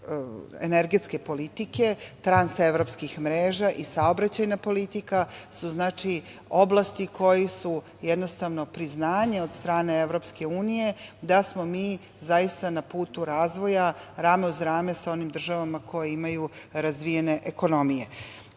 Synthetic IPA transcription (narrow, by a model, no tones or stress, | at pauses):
ḛneɾɡe̞t̪ske̞po̞lit̪ike̞t̪ɾanse̞ʋɾo̞pskixmɾeːʒaʔisaobɾat͡ɕajnapo̞lit̪ikasuznaːt͡ʃi | oblˠast̪iko̞jisu | jed̪no̞st̪aʋno̞pɾiznaːɲeo̞d̪st̪ɾaːne̞eʋɾo̞pske̞uːnije̞d̪asmo̞miː | zajist̪anapuːt̪uɾaːzʋo̞jaɾaːmeuzɾaːmesao̞nimd̪r̩ʒaʋamakʰo̞jeimajuɾazʋijene̞ʔeko̞no̞mije